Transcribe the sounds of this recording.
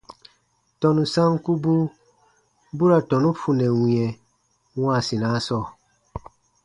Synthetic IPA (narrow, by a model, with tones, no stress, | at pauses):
tɔ˨nu˨sã˦ŋku˦bu˦ | bu˦ɾa˨tɔ˨nu˦fu˨nɛ˨wĩ˨ɛ˨ | wã˦˨si˨na˦sɔ˦˨